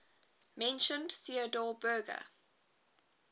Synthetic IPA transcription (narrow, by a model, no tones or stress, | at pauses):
mɛ̃nʃə̃ndθiədɔːbɜːɡə̰